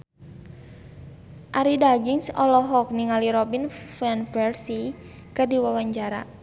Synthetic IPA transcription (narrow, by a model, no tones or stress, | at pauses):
ʔaɾidaɡiŋsɔlɔɦɔk̚niŋaliɾɔbinfɛnfɛrsi | kɨrdiwawaɲd͡ʒaɾa̰